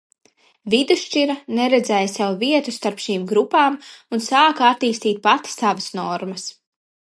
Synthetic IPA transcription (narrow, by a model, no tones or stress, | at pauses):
vid̪uʃt͡ʃiɾɐnɛɾɛd̪zɛːjsɛwviɛt̪ust̪aɾpʃiːmɡɾupaːmunsaːkat̪ːiːst̪iːt̪̚pat̪savɐsnɔɾmɐs